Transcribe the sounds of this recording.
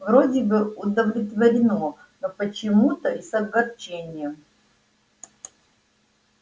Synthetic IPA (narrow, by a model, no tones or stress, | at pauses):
vrodʲɪbɨʊd̪əvlʲɪt̪vəɾʲɪno | nopət͡ɕɪmut̪əisɐɡɐrt͡ɕenʲɪjə